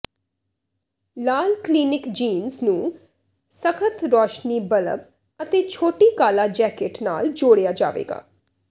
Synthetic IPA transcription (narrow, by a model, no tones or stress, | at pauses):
laːlkliːnɪkd͡ʒiːnznũː | səkʰət̪ɾɔːʃniːbələ̰b | ət̪eːt͡ʃʰoːʈiːkaːlaːd͡ʒɛːkɪʈna̰ːld͡ʒoːɽejaːd͡ʒa̰ːʋḛːɡa̰ː